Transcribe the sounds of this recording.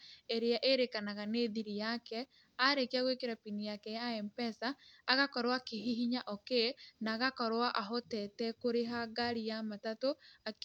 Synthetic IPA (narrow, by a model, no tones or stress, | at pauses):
eɾeaʔeɾekanaɣaneːðiɾijakɛ | aɾekeaɣwekeɾapinijakɛjaɛmpɛsaːɣakɔɾwakeɦiɦiɲaʔɔkenaɣakɔɾwaʔaɦotɛtɛkoɾeɦaɡaɾijamatatoa